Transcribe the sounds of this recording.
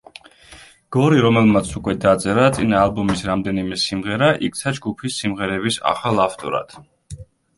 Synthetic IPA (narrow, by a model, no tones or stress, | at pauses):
ɡ̥ɔɾiɾɔmɛlmat̪sʰukʼwɛd̪at̪sʼɛɾat̪sʼinaːlˠbɔmisɾamd̪ɛnimɛsimʁɛɾaʔik̚t̪sʰad͡ʒɡupʰisːimʁɛɾɛbisa̰χalˠaft̪ʼɔ̰ɾa̰t̪ʰ